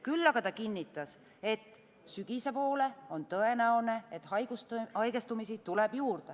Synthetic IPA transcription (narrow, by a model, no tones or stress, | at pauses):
kylːɑɡ̥ɑt̪ɑkinʲːit̪ːˑɑs | e̞t̪ːˑ | syɡ̥ise̞po̞ːle̞o̞nt̪ɤ̞e̞næone̞et̪hɑjɡ̥ust̪hɑjɡest̪umisit̪uleb̥juːrd̪̥e